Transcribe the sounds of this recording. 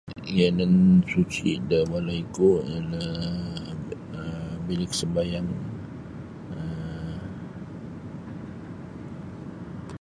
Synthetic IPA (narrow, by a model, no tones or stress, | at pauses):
jɛnənsut͡ʃiʔdəbalaikoʔlə | əbilɪksəmbajaŋ | ə